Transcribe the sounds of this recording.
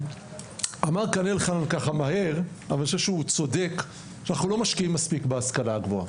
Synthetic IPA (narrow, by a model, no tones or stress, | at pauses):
amaʁkanelχanankaχamaɦe̞ʁ | avalnʃevʃeut͡so̞d̪e̞k | ʃeanaχnulo̞maʃkiimːaspikbeaskalaːɡvoa̰